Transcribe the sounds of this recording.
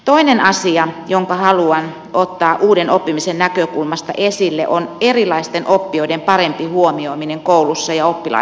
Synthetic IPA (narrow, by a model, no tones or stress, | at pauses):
t̪oinenɑsiɑjoŋkɑhɑluɑn | ot̪ːɑːʔuːdenopːimisennækøkulmɑst̪ɑ̰ʔesilːḛʔonerilˑɑist̪enʔopːioidempɑrempihuomioimineŋkoulusːɑjɑopːilɑ̰